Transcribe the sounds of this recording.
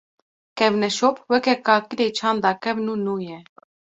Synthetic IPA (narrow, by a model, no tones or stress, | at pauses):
kɛvnɛʃɔpʰwɛkɛkaːkiɾɛt͡ʃʰand̪ɑkɛvnunujɛ